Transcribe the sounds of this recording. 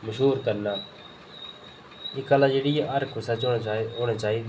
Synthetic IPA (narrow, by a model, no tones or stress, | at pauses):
məʃɦuːɾkəɾnaː | ɪkaːlaːd͡ʒeːɽiːjaʔəɾkʰʊsaːt͡ʃoːɽoːɽ̃aːt͡ʃaːɦiː